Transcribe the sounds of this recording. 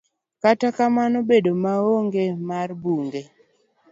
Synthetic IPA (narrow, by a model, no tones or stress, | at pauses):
katakamanobedomaoŋɡemarbuŋɡe